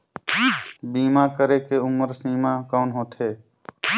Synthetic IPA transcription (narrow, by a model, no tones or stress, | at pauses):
biːmakəɾekeʊməɾsiːmakaːnɦoːt̪ʰeː